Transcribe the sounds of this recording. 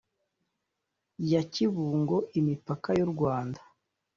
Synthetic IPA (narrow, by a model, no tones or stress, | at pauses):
jaciβuːŋɡo̞ʔimipakajoɾɡwaːndḁ